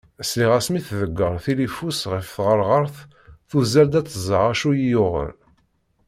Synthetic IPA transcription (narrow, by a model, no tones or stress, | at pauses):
sliʁæsmiθðəɡːəɾˤθilifusʁəfθʁəɾʁəɾˤθ | θuzæld̪æt͡sːəzˤəʁæʃujijʊʁə̰n